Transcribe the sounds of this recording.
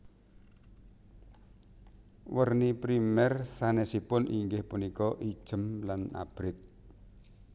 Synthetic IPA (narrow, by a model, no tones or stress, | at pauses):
wərnipɾimɛrsanɛsipʊniŋɡɪhpunikɔʔid̥ʒ̥əmlana̰b̥ɾɪt̪̚